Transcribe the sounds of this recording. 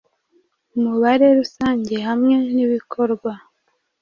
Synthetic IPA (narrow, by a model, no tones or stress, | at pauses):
umuβaɾe̞ɾusaːɲɟe̞hamŋe̞niβikʰo̞ɾɡwa